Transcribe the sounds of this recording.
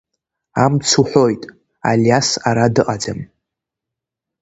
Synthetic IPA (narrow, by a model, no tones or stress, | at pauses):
amt͡sʰuħʷo̞jtʼ | aljasaɾadɨqʼad͡zam